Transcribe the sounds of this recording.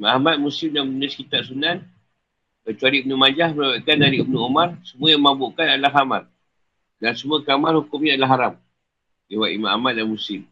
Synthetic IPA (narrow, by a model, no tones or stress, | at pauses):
maahmat̪̚musɪmdannəskit̪aʔsunan | kət͡ʃuaɾibənumad͡ʒahmənawaʔkanːaɾiʔkbənuomarsəmuajaməabuʔkanalaɦamar | dansəmuəkamarhukʊmɲaalaɦaɾam | iwaʔḭmaa̰mat̪̚danmusɪm